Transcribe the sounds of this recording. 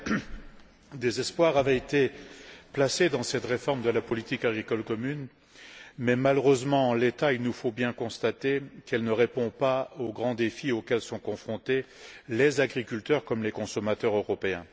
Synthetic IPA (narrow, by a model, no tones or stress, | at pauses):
d̪ezɛspwaʁavɛet̪eplased̪ɑ̃sɛt̪ʁefɔʁmd̪əlapɔlit̪ikaɡʁikɔlkɔmyn | mɛmaløʁøzmɑ̃ɑ̃let̪ailnufobjɛ̃kɔ̃st̪at̪ekɛlnəʁepɔ̃paoɡʁɑ̃d̪efiokʲɛlsɔ̃kɔ̃fχɔ̃t̪elezaɡʁikʲylt̪œʁkɔmlekɔ̃sɔmat̪œʁøʁɔpeɛ̃